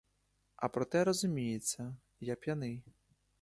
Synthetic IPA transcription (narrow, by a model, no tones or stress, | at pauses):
ɐpɾɔt̪ɛɾɔzʊmʲijet͡sʲːɐ | jɐk̚pʲjɐnɪ